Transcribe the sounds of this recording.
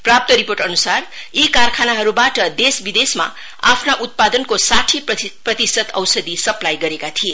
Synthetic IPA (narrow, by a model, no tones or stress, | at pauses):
prap̚t̪ʌɾiporʈʌnusarikarkʰanaɦʌɾubaʈʌd̪esbid̪esma̰ | apʰnaʔut̪̚pad̪ʌnkosaʈʰiprʌt̪isʌt̪ʌ̰wsʌd̪isʌplajɡʌɾekat̪ʰie